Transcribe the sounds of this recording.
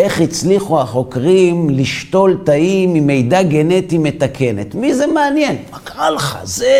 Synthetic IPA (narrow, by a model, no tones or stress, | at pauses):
e̞χit͡sliχuaχo̞kʁimliʃto̞lt̪aimime̞jdaɡe̞ne̞time̞t̪akʰe̞nḛt̪mizemeanjenmakʁalχa̰ze